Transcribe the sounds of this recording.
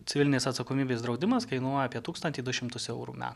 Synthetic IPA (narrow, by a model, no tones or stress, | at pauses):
t̪ʲɪʋʲɪlʲɪnʲeːsɐt̪sɐkoːmʲiːbʲeːsd̪ɾɒʊd̪ʲɪmɐskɐɪnuɔjɛɐːpʲiɛt̪uːkst̪ɐnʲt̪ʲiːd̪ʊʃʲɪmt̪ʊsɛʊɾṵmʲæ̰ːt̪